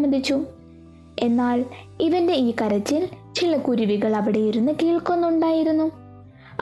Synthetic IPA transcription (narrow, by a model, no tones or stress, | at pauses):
mːɐnd̪ʱit͡ɕːu | e̞nːaːɭ | iʋɐnde̞iːkɐɾɐt͡ɕːilt͡ɕilɐkuɾuʋiɣɐɭɐʋiɽe̞jiɾunːɨkiːɭkonːuɳɖaːjiɾunːu